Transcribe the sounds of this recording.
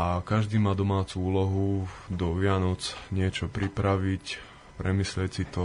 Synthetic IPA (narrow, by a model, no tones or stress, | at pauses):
akaʒd̪iːmaːd̪ɔmaːt͡suuːlɔɦud̪ɔʋɪanɔt͡sɲɪɛt͡ʃɔpɾipɾaʋic | pɾɛmiːslɪɛcsit̪ɔ